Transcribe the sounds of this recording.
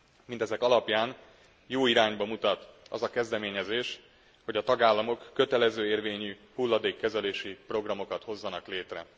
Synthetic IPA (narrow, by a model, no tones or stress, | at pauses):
mint̪ɛzɛkɒlɒpjaːn | joːiɾaːɲbɒmut̪ɒt̪ɒ̰zɒkɛzd̪ɛmeːɲɛzeːʃ | ho̞ɟɒt̪ɒɡaːlːɒmo̞kːø̞t̪ɛlɛzøːeːrveːɲyhulːɒd̪eːkːɛzɛleːʃipro̞ɡrɒmo̞kɒt̪ho̞zːɒnɒkleːt̪rɛ̰